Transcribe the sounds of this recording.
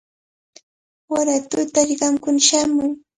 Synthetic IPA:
waɾat̪ʊt̪aɾɪɢɑmkʊnʃamʊj

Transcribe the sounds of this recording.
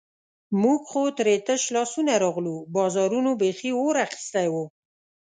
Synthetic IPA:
muɡxot̪ɾet̪əʃlɑsunaɾɑɣlubɑzɑɾunobexiwoɾaxɪ̥st̪ajwo

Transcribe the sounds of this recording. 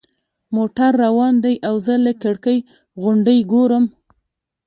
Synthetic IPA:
moʈaɾːawɑnd̪ajʔawzələkəɽkəj | ɣʊɳɖəjɡoɾəm

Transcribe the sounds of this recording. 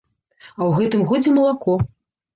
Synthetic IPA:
ɐwɣɛt̪ɨmɣɔd͡zʲɛmɐlˠakɔ

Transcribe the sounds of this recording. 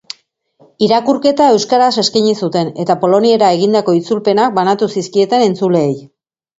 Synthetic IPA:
iɾakuɾke̞t̪ae̞wskaɾase̞skaɲisut̪e̞ne̞t̪apo̞lo̞nie̞ɾae̞ɣind̪ako̞it͡sulpe̞nak̚banat̪usiskie̞t̪e̞ne̞nt͡sule̞ːj

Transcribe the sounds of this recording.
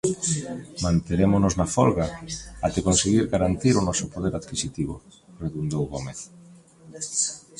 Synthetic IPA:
mãnt̪eɾemʊnoznafɔlɣaat̪ekonseɣiɾɣaɾant̪iɾʊnɔsʊpoðeɾaðkisit̪iβo̰ | reðund̪owɣomeθ

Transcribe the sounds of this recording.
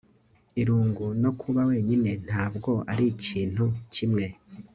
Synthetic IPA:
iɾuːŋɡuno̞kʰuβawe̞ːɲine̞n̥aːbɡo̞ʔaɾiciːn̥hucimŋe̞

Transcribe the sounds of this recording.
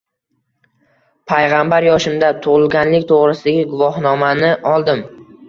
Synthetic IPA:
pʰajʁambaɾjɒʃɪmd̪at̪ʰʊʁɪlˠɡʲanlɪkʲt̪ʰoʁɾɪsɪd̪aɡʲɪɡʊvɒhnɒmanɪʔɒlˠd̪ɪm

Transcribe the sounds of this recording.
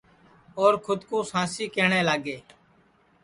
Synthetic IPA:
oːɾkʰʊd̪kõːsãːsiːkeːɳẽːlaːɡeː

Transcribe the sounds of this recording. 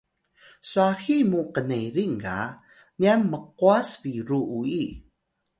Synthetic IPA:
suaximuqənejɾiŋɡa̰ | nianməq̚uasviɾuʔui

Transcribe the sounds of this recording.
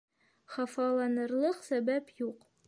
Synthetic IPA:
χɑfɑlˠɑnɤ̆ɾlˠɤqsæbæpjuq

